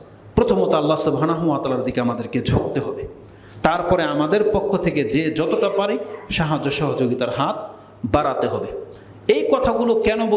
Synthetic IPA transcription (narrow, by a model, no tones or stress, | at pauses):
pɾot̪ʰomot̪alːasubʱɦanaɦuat̪alaɾd̪ikeamad̪eɾked͡ʑʱok̚t̪eɦɔbe | t̪aɾpɔɾeamad̪eɾpokʰːot̪ʰeked͡ʑed͡ʑɔt̪oʈapaɾiʃaɦad͡ʑoʃɔɦod͡ʑoɡit̪aɾɦat̪̚ʰ | baɾat̪eɦɔbe | ejkɔt̪ʰaɡulokɛnobo